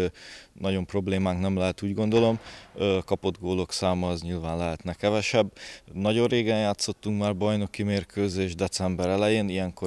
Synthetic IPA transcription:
nɒɟo̞mpro̞bleːmaːŋknɛmlɛɦɛt̪uːɟɡo̞nd̪o̞lo̞mkɒpo̞d̪ɡoːlo̞ksaːmɒɛzɲilvaːnlɛɦɛt̪nɛkɛvɛʃɛbːnɒɟo̞rreːɡɛnjaːt̪so̞t̪ːuŋkmaːrbɒjno̞kimeːrkʰøːzeːʒd̪ɛt̪sɛmbɛɾɛlɛjeːnijɛŋko

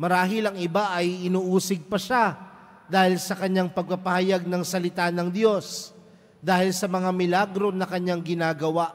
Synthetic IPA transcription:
mɐɾaːɦɪlɐŋɪbaʔɐjʔɪnuːʔuːsɪɡ̚pɐʃa | d̪aːhɪlsɐkɐɲːaŋpɐɡ̚pɐpɐhɐjaɡ̚nɐŋsɐlɪt̪anɐŋd̪jo̞s | d̪aːhɪlsɐmɐŋamɪlaɡɾo̞nɐkɐɲːaŋɡɪnaːɡɐwaʔ

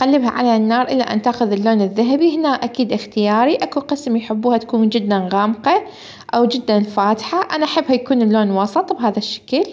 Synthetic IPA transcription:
ʔɣalːɪbha̰ʕa̰lanːɑːɾˤʔɪlːaʔa̰nt̪aːxʊðɪlːoːnɪðːaɦabihɪnaːʔʔakiːd̪ʔɪxt̪ɪjaːɾiʔakuqɨsmjħɪbːuːhat̪ḁkuːnd͡ʒɪd̪ːanɣaːmqɑ | ʔawd͡ʒɪd̪ːanfaːt̪ħaʔanaʔaħɪbːhajakuːnɪlːoːnwɑsˤɨt̪ˤbɦaːðaʃːḁkɪl

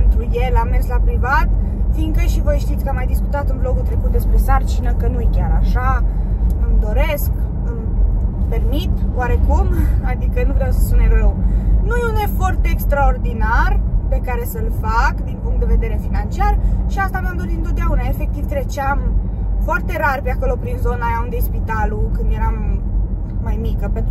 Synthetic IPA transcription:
pent̪ɾuje̞lamːerslapɾivat̪fiŋkəʃivo̞jʃt̪it̪sʲkəamːajd̪iskut̪at̪ɨnblo̞ɡut̪ɾe̞kut̪̚d̪e̞spɾe̞sart͡ʃinəkənujekʲaɾaʃa | ɨmd̪o̞ɾe̞sk | ɨmpe̞rmit̪waɾe̞kumad̪ikənuvɾeawsə̥sunerewnujeune̞foart̪eekst̪ɾao̞rd̪inarpe̞kaɾe̞səlfakd̪inpuŋkt̪d̪e̞ve̞d̪e̞ɾe̞finant͡ʃiarʃiast̪ameamd̪o̞ɾit̪ɨnt̪ot̪d̪eaunaefe̞k̚t̪ivt̪ɾe̞t͡ʃeam | foart̪e̞ɾarpeako̞lo̞pɾinzo̞najaund̪espit̪alukɨnd̪je̞ɾamː | ajmikəpe

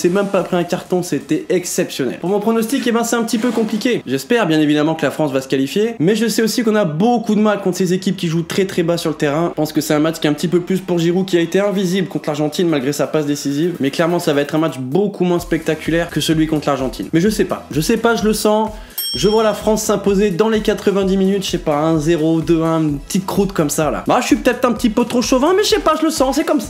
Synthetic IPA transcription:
sɛmɛmpaːpχɛɛ̃kaʁt̪ɔ̃sɛt̪ɛɛksɛpsjɔnɛ̰lpuʁmɔ̃pχɔnɔst̪ikebɛ̃sɛt̪ɛ̃pət̪ipøkɔ̃plikʲeʒɛspɛʁbjɛ̃nevid̪amɑ̃kəlafχɑ̃svasə̥kalifjemɛʒəsɛosikɔ̃nabokud̪əmalkɔ̃t̪χə̥sezekʲip̚kʲiʒut̪χɛt̪χɛbasyʁlət̪eʁɛ̃pɑ̃skəsɛt̪ɛ̃mat͡ʃkʲiɛɛ̃pət̪ipøplyspuʁʒiʁukʲiaet̪eɛ̃vizibləkɔ̃t̪χlaʁʒɑ̃t̪inmalɡʁesapas̬d̪esizivmɛklɛʁmɑ̃savaɛt̪χɛ̃mat͡ʃbokʰumwɛ̃spɛk̚t̪akʲylɛʁkəsəlɥikɔ̃t̪ʰlaʁʒɑ̃t̪ʰḭnmɛʒəsɛpa̰ʒəsɛpaʒələsɑ̃ | ʒəvwalafχɑ̃sːɛ̃pozed̪ɑ̃lekat̪χəvɛ̃d̪iminyt̪ʃɛpaɛ̃zeʁod̪øɛ̃ynnpət̪it̪̚kχut̪kɔmsala̰baʃəʃɥipə̥t̪ɛt̪χɛ̃pət̪ipøt̪χoʃovɛ̃mɛəsɛpaʒələsɑ̃sɛkɔmsa

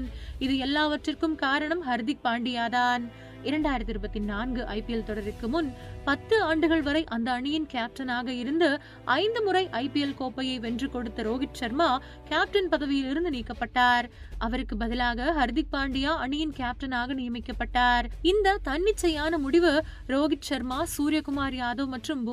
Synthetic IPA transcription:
nɪðɯɛlːaːʋɐʈrɪrkɯmkaːɾɐɳɐmɦɐɾðɪk̚paːɳɖɪjaːðaːn | ɪɾɐɳɖaːjɪɾɐt̪ːɪɾɯbɐt̪ːɪnaːnɡɯʔɐɪpɪjɛlt̪ɔɽɐɾɪkːɯmʊnpɐt̪ːɯaːɳɖɯɣɐɭʋɐɾɐɪʔɐnd̪ɐːɳɪjɪnkaːp̚ʈɐnaːɣɐɪɾɯnd̪ɯ | ʔɐɪnd̪ɯmʊrɐɪʔɐɪpɪjɛlkoːpːɐjɐɪʋɛndrɯkɔɽɯt̪ːɐɾoːɣɪt͡ʃt͡ʃɐɾmaː | kaːp̚ʈɐnpɐðɐʋɪjɪlɪɾɯnd̪ɯniːkːɐpːɐʈːaːɾ | ʔɐʋɐɾɯkːɯbɐðɪlaːɣɐɦɐɾðɪk̚pːaːɳɖɪjaːɐɳɪjɪnkaːp̚ʈɐnaːɣɐnɪjɐmɪkːɐpːɐʈːaːɾɪnd̪ɐt̪ɐɳːɪt͡ʃːɐjaːnɐmʊɽɪʋɯ | ɾoːɣɪʈt͡ʃɐɾmaːsuːɾɪjɐkʊmaːɾɪjaːðoːmɐʈrɯm

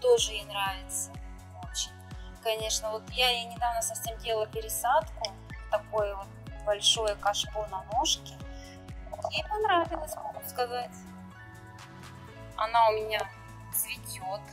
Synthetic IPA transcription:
t̪o̞ʐɨjejnɾavʲɪt̪sə | ot͡ɕɪnʲ | kɐnʲe̞ʂnəvo̞t̪jajenʲɪd̪avnəsɐfsʲemdʲelˠəlˠpʲɪɾʲɪsat̪kʊ | t̪ɐko̞jəvot̪̚bɐlʲʂo̞jəkɐʂpo̞nɐnoʂkʲɪ | jejpɐnɾavʲɪlˠəsʲmɐɡʊskɐzatʲ | ɐ̰naʊmʲɪnʲa | zvʲɪtʲot̪

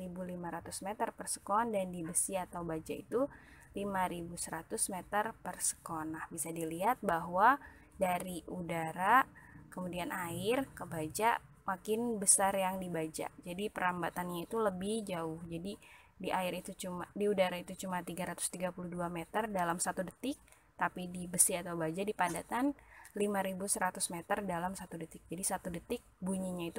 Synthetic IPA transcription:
ɾibulimaɾat̪usmɛt̪ərpərsə̥kɔndandibəsiat̪awbad͡ʒa̰ḭt̪ulimaɾibusəɾat̪ʊsmet̪ərpərsə̥kɔnːahbisadiliɦat̪̚baɦwa | daɾiʔudaɾakəmudianʔaɪrkəbad͡ʒaʔ | makɪnbəsarjaŋdibad͡ʒa̰d͡ʒadipəɾambat̪anɲait̪uləbɪhd͡ʒaʊhd͡ʒadi | diʔaɪɾit̪ut͡ʃumadiudaɾait̪ut͡ʃumat̪iɡaɾat̪ʊ̥st̪iɡapuluhduamet̪ərdalamsat̪udət̪ɪk̚ | t̪apidibəsɪat̪awbad͡ʒadipadat̪anlimaɾibusəɾat̪ʊsmet̪ərdalamsat̪udət̪ɪk̚d͡ʒadisat̪udət̪ɪk̚buɲiɲait̪u

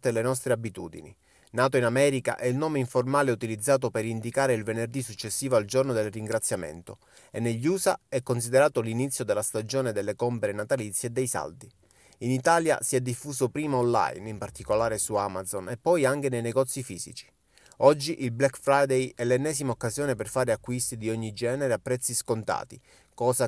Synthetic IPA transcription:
t̪elenɔs̬t̪ɾeabit̪uːd̪ḭnḭ | naːt̪oinamɛːɾika̰ʔɛilnoːmeiɱformaːleut̪ilid̪zːaːt̪̬opeɾind̪ikaːɾeilvenerd̪isut͡ʃːesːiːvoald͡ʒornod̪elriŋɡɾat̪sːjamḛnt̪o | enːeʎːuːsa̰ɛkːons̬id̪eɾaːt̪olinit̪sːjod̪elːast̪ad͡ʒoːned̪elːekɔmpeɾenat̪alit̪sːjeːd̪ːejsa̰ld̪i | init̪aːlja̰siɛd̪ːifːuːsopɾiːmaonla̰jnimpart̪ikolaːɾesuamad̪zonepːɔjaŋk̟enejneɡɔt̪sːifḭːzḭt͡ʃi̥ | ɔd͡ʒːiʔilblɛkfɾajd̪ejɛlːɛnːɛːzimaokːazjoːneperfaːɾeakːwist̪id̪ioɲːid͡ʒɛːneɾeapːɾɛt̪sːiskont̪a̰ːt̪i | kɔːza

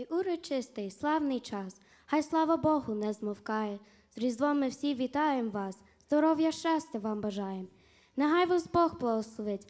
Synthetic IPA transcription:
ʔuɾɔt͡ʃɪst̪ɪjslˠɑwnɪjt͡ʃɑs | hɑjslˠɑʋɐbɔɦʊnɛzmɔwkɑjɛ | z̥ɾʲizd̪ʋˠɔmɪwsʲiʋʲit̪ɑjemʋɑs | zd̪ɔɾɔwjɐʃt͡ʃɑsʲtʲɐʋɑmbɐʒɑjem | neɦɑjʋɐzbɔxblˠɐɦɔslˠɔʋɪtʲ

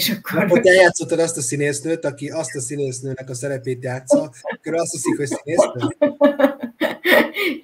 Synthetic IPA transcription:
eʃɒkʰːoɾot̪ːɛljaːt̪so̞t̪ːɒd̪ɒst̪ɒsineːsnøːt̪ɒkiɒst̪ɒsineːsnøːnɛkɒsɛɾɛpeːt̪jaːt̪sɒkøɾølɒst̪hisikhocsineːsnøː

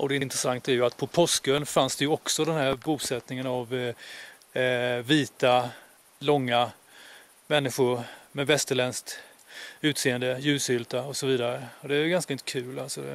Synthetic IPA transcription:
ʔɔd̪ɛɪnt̪ɾəsaŋt̪æɾjɵat̪pʰɔpʰɔskɵnfansd̪ɛjɵɔksɔd̪ɛnɦæːɾbuːsɛt̪nɪŋənav | viːt̪a | lɔŋːa | mɛnːɪɧʊɾmɛvɛst̪əɭɛnsk̚t̪ | ʉ̟ːt̪seːənd̪əjʉ̟ːshʏlt̪aɔsɔviːd̪aɾəɔd̪ɛæjɡanskaɪnt̪əkʰʉ̟ːlalsɔ

